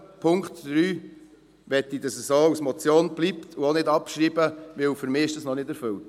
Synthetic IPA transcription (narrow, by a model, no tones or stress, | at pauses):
pʰʊŋkt̪d̥ɾyː | ʋɛtːidɑsəsoːusmɔt͡sjoːnb̥lipt̪ʰʊonɪdɑpʃɾiːbəʋɪwfʏɾmɪːɪʃdəsnɔnɪdɛɾfɵlt